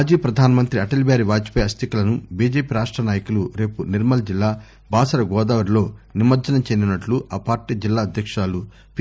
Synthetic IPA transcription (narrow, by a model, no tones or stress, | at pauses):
d͡ʒiːɐpɾɐd̪ʱaːnɐmɐnt̪ɾiɐʈɐlibaːɾiʋaːd͡ʒi̥pɐɐst̪ʰikɐlɐnubiːd͡ʒeːpiːɾaːʂʈɾɐnaːjɐkuluɾe̞ːpuniɾmɐlɐd͡ʒilːaː | bʱaːsɐɾɐɡɔːd̪aːʋɐɾlo̞ːnimɐɾd͡ʒɐnɐt͡ʃend̪inɐʈluʔaːpaːɾʈiːd͡ʒilːaːɐd̪ʱjɐkʂaːlu | p